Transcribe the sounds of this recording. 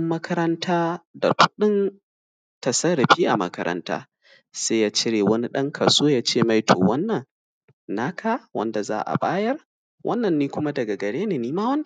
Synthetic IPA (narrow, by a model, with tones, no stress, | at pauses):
mːɐ˦kʰɐ˦ɾɐ˦ntʰaː˦da̰˨kʷʊ˦ɗɪ˦n | tɐ˨sɐ˦ɾɐ˨ɸiː˦ʔa˨mɐ̰˦kɐ̰˦ɾɐ̰˦nta̰ː˦ | saː˦jaː˦t͡ʃɪ˦ɾeː˨wɐ˦ni˦ɗɐ˦ŋkʰa˨soː˦jaː˦t͡ʃeː˦˨ma˦jtʰo̰ː˨wɐ˦nːɐ˨ŋ | naː˦kʰaː˦wɐ̰˦nda˨za̰ː˦ʔa̰˨ɓa̰ː˦jɐ˦r | wʔɐ̰˦nːɐ˨nːiː˦kʷʊ˦ma˦dɐ˨ɡa˨ɡɐ˨ɽeː˦neː˨niː˦maː˦wɐ˦n˦